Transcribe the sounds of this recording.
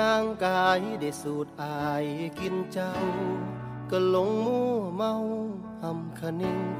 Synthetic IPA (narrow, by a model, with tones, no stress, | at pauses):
aː˧ŋkaː˧jda˨˩jsuː˨˩t̪̚ʔaː˧jki˧nt͡ɕa˧w | ka˧˩lo˧˦ŋmuː˧ma˧w | ha˧mkʰa˧ni˧ŋ